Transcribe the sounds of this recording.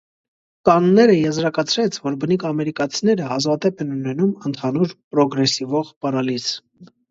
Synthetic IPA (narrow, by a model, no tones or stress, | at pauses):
kɑnːɛɾəjɛzɾɑkɑt͡sʰɾɛt͡sʰvɔɾbənikʰɑmɛɾikɑt͡sʰinɛɾəɦɑzvɑt̪ɛpʰɛnunɛnumənt̪ʰɑnuɾpɾɔɡɾɛsivɔʁpɑrɑlis